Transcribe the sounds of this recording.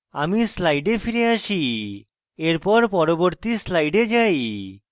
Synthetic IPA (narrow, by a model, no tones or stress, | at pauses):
amislajɖefʰiɾeaʃi | eɾpɔɾpɔɾoboɾt̪islajɖed͡ʑaj